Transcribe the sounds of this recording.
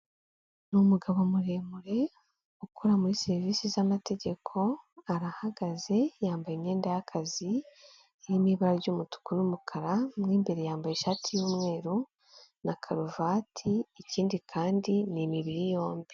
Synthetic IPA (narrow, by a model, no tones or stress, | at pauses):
numuɡaβo̞muɾe̞muɾe̞ | ukʰuɾamuɾise̞ɾiviːsizamate̞ɟe̞kʰo̞aɾahaɡaze̞jaːmbajimɲe̞ːndajakʰazi | jimiβaɾaɾɟumutu̥kunumukʰaɾamŋiːmbe̞ɾe̞jaːmbajeʃaːtʰijuːmŋe̞ːɾu | nakʰaɾuvaːtʰiiciːndikʰaːndinimiβiɾijo̞ːmbi